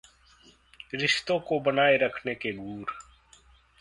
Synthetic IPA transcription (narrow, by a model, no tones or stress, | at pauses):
ɾɪʃt̪õkobɐnaːeɾɐkʰnekeɡʱuːɾ